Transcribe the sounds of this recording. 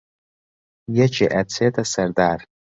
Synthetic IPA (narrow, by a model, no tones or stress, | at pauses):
jat͡ʃʰa̰ʔat͡sʰetʼasardar